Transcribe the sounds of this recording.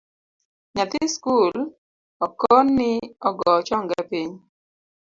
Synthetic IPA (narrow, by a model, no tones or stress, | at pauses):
ɲat̪iskul | ɔkɔnːɪɔɡɔt͡ʃɔŋɡapiɲ